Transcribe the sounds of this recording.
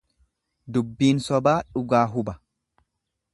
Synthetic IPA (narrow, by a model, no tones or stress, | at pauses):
d̪ʊbːiːnsɔbaːᶑʊɡaːɦʊbɐ